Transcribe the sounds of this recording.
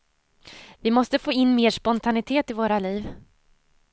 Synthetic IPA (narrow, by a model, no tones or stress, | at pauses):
vɪmɔst̪əfoːɪnːmeːʂpɔnt̪ʰanɪt̪ʰeːt̪ɪvoːɾaliːv